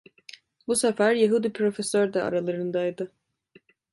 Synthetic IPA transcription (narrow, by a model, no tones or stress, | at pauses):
busɛfæɾjeɦud̪ipʰɾo̞fesøɾd̪ɛa̰ɾalˠaɾɯnd̪ajd̪ɯ